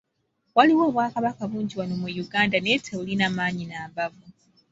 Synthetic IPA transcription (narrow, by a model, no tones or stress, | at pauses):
waliwo̞ːβwaːkaβakaβuːɲɟiwano̞mujuɡaːndanetʰeβulinaːmaːɲinaːmbavu